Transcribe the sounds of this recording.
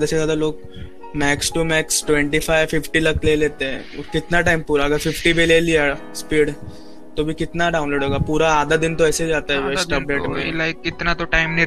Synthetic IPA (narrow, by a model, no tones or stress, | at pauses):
d̪asezjaːd̪aloːɡ | mɛːksʈumɛːksʈʋɛ̃ɳʈifʰaːɪʋfɪfʈilɐkleːleːt̪eɦɛ̰̃ | kɪt̪naʈaːɪmpuːɾaɐɡəɾfɪfʈibʱeleːliaspiːɽ | t̪obʱikɪt̪naɖaːʊnloːɖɦoːɡapuːɾaːd̪ad̪ɪnt̪oɛːseɦid͡ʒaːt̪aɦɛsʈəp̚ɖeːʈmḛ̃laɪkːɪt̪nat̪oʈaɪmni